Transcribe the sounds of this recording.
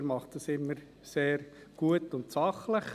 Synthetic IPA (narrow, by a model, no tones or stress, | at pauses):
ɾmɑχtdɑsɪmːəɾ | seːrɡ̥uətʊntsɑχləχ